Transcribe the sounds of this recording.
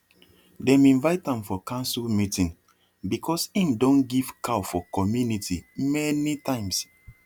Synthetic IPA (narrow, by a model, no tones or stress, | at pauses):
dɛ̃mĩnvaɪtãmfɔkãnsulmitĩn | bikʰɔsĩmdõnɡiv̥kʰafɔkɔmjunitimɛnitʰãɪ̃ms